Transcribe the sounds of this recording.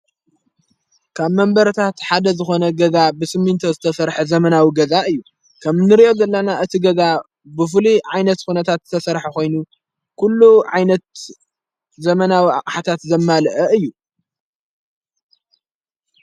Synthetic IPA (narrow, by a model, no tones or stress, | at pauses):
kʰaβmɐmbɐɾt̪ʰat̪ħad̪ɐzɨxo̞nɐɡɐzabɨsɨmːɨnt̪ʰozɨt̪ʰɐsɐɾħɐzɐmɐnawiɡɐzaʔɨjːu | kʰɐmnɨɾiʔo̞zɐlːɐnaʔɨt̪ʰiɡɐza | bɨfɨliʕajnɐt̪xunɐt̪ʰat̪zɨt̪ʰɐsɐɾħako̞jnu | kʰulːuʕa̰jnɐt̪ | zɐmɐnawiʔa̰qʼħat̪ʰat̪zɐmːalʔɐɨjːu